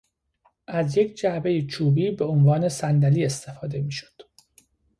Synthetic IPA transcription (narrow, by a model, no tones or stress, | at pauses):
ʔæzjecʰd͡ʒæbe̞jet͡ʃʰuːbiːbe̞onvɒːne̞sænd̪æliːe̞st̪ʰe̞fɒːd̪e̞miːʃo̥d̪̥